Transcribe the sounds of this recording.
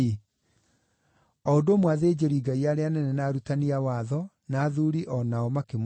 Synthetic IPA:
ɔodomwaðed͡ʑeɾiɡaiaɾeanɛnɛnaːɾutaniawaːðɔ | naːðuɾiʔɔnaɔmakem

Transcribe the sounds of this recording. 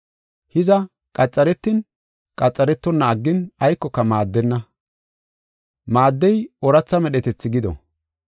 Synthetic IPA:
hɪzɐ | kʼɐt͡sʼːɐɾɛt̪ːɪn | kʼɐt͡sʼːɐɾɛt̪ːɔnːɐːɡːɪnɐjkːɔkːɐmaːd̪ːɛnːɐ | maːd̪ːɛjɔɾɐt͡sːɐmɛɗɛt̪ɛt͡sːɪɡɪd̪ɔ̰

